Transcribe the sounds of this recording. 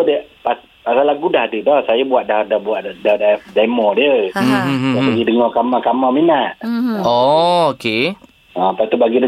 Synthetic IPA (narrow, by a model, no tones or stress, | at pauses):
dəpas | pasalaɡudahdədɔhsajabuaʔ̪̚dahdahbuaʔdahdadamɔdiəɦapaɡidəŋɔkamakamaminaʔ̪̚ɔoke | apat̪ubaɡidə